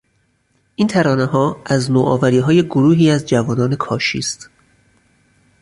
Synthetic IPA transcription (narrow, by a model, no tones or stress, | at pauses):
ʔiːnt̪ʰæɾɒːneɦɒːʔæznoːʔɒ̰ːvæɾiːɦɒːje̞ɡoɾuːɦiːæzd͡ʒævɒːnɒːne̞kʰɒːʃḭːst̪